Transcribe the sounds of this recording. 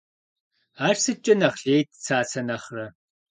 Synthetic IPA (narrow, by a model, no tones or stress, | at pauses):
aːʂsɨt͡ʃʼɐnɐχɬeːjtʰt͡sʰaːt͡sʰɐnɐχrɐ